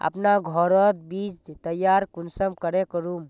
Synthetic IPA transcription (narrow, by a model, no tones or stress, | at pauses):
ə̰pnaɡʱɔɾɔt̪̚bid͡ʒt̪əjːaɾkunsəmkəɾekəɾum